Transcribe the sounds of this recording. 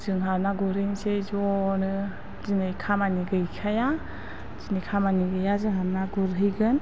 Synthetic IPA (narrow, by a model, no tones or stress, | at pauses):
z̥ɯŋɦaɾnaɡuɾhɯŋsezɔnɯ | zinɯjkʰamaniɡɯjkʰaja | z̥inɯjkʰamaniɡɯjazɯŋɦaɾnaɡuɾɦɯjɡɯn